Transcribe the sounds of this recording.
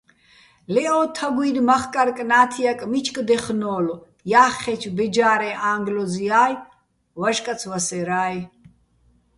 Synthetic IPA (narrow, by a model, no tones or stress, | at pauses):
lɛɔːt̪ʰaɡwiɾmaχkʼaɾkʼnaːt̪ʰijakʼmit͡ʃʰʼkʼd̪ɛχnɔːlɔ | jaːχːɛt͡ʃʰbɛd͡ʒaːɾɛʔaːŋɡlɔziaːj | waʒkʼat͡sʰwasɛɾaːj